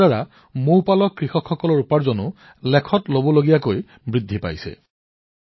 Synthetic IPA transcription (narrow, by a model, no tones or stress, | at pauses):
aɹa | mowpalɔkɹixɔkxːɔkɔlɔɹupaɹzɔnʊ | lɛkʰɔtlobɔloɡijakoj | bɹidʱːipa̰jsɛ̰